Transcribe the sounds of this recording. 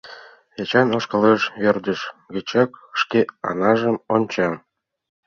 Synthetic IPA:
jet͡ɕɑnoʃkɤ̆leʃβørd̪ə̆ʃɡə̆t͡ɕɑkʃkeɑ̰nɑʒə̆monʲt͡ɕɑn

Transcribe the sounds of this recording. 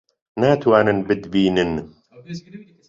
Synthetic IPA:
naːt̪waːnənbɨd̪biːnən

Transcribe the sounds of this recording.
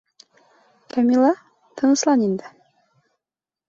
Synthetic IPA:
kæmʲilˠɑ | t̪ʰɤ̆nɤ̆slˠɑnind̪ɘ

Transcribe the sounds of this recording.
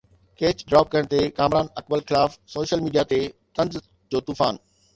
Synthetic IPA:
keːt͡ɕɖɾaːp̚kɐəɽ̃t̪ekaːmɾaːnɐkbəlxɪlaːfsoːʃəlmiːɖijat̪et̪ɐ̃nz | d͡ʑoːt̪uːfa̰ːn

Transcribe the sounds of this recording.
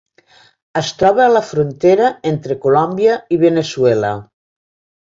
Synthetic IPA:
əst̪ɾɔβaːləfɾunt̪eɾɐent̪ɾəkulɔmbjəiβenesuɛlə̰

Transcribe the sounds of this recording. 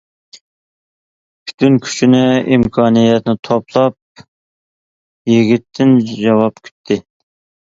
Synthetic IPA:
pʰy̥t̪ʰynkʲʰy̥t͡ʃʰinɪimkʰɑːnijɛt̪nɪt̪ʰopʰlˠɑp̚ | jiɡʲit̪ʰːɪnd͡ʒɑwɑp̚kʲʰy̥t̪ʰːɪ

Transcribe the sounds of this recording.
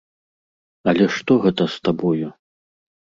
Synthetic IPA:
ɐlʲɛʂt̪ɔɣɛt̪ɐst̪abɔju

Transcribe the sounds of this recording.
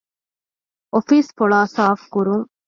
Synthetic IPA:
ʔofiːsfoɭaːsaːfkuɾuŋ

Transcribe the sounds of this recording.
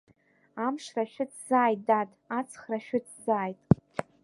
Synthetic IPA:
amʂraʃᶣʊtʰzaːjtdatʼat͡sʰχraʃᶣʊtʰzaːjtʼ

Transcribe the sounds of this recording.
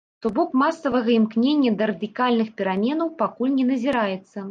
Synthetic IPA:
t̪ubɔkmasːɐvɐɣɐimknʲenʲːɐd̪ɐɾɐd̪ɨkalʲnɨxpʲɛɾamʲɛnɐwpakulʲnʲɛnɐzʲiɾajɛt̪sːɐ

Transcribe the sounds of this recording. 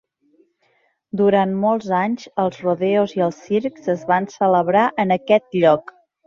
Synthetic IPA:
d̪uɾanmɔlˠzaɲzəlˠzruðɛoziəlˠsiɾkzəzβansələβɾaʔənəkɛt̪̚ʎɔk

